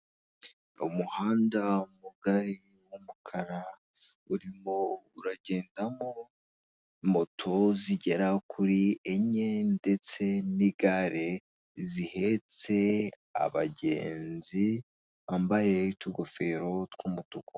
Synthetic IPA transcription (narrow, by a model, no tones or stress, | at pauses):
ṵmuhaːndaumuɡaɾi | wumukʰaɾa | uɾimouɾaɟe̞ːndamo | mo̞tʰo̞ziɟe̞ɾakʰuɾieɲende̞t͡se̞niɡaɾe̞ | zihe̞t͡se̞ | a̰βa̰ɟe̞̰ːnzi | aːmbaje̞tuɡofe̞ɾo̞tkumutuko